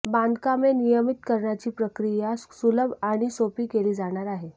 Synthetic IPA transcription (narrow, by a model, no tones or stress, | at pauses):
band̪kamenijəmit̪kəɾɳat͡ɕiːpɾəkɾijasuləbʱaɽ̃isopiːkeliːd͡zaɽ̃aɾaɦe